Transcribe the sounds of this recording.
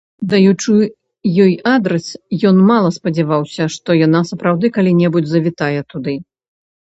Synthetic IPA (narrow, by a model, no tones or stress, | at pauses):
d̪ɐjut͡ʂɨ | jɔjad̪ɾɛsjɔnmalˠɐspɐd͡zʲɛvawsʲɐʂt̪ɔjanasɐpɾawd̪ɨkalʲinʲɛbud͡zʲzɐvʲit̪ajɛt̪ud̪ɨ